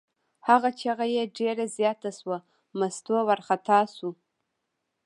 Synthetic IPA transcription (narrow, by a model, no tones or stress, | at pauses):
haʁat͡ʃʰaʁajeɖeɾazjaːtʰaswa | mastʰowarχatʰaːsu